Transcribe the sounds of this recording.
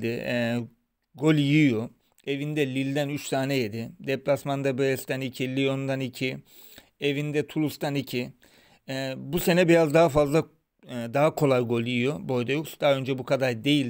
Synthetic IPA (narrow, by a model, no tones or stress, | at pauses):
d̪ɪ | ɡo̞lʲjijo | e̞vind̪ɛlʲilʲd̪ænyt͡ʃsaːnɛjed̪ɪd̪ɛplʲasmand̪abeɾɛst̪ʰænicʰilʲio̞nd̪anicʰi | e̞vind̪ɛt̪ʰulˠust̪ʰanicʰi | buse̞nɛbiɾazd̪aɦafazlˠa | d̪aɦakʰo̞lˠajɡo̞lʲijijobo̞jd̪ajoksd̪̥aø̞nd͡ʒɛbukʰad̪aɾd̪e̞jilʲ